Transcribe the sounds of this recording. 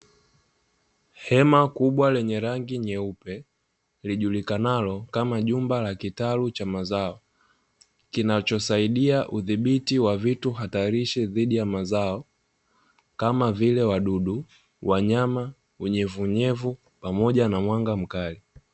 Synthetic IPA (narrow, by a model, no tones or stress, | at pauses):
hɛmakuɓwalɛɲɛɾaŋɡiɲɛupɛ | liʄulikanalɔkamaʄumbalakitalut͡ʃamazaɔ | kinat͡ʃɔsaiɗiaʔuðiɓitiwavituɦataɾiʃɛðiɗijamazaɔ | kamavilɛwaɗuɗu | waɲama | uɲɛvuɲɛvu | pamɔʄanamwaŋɡam̩kali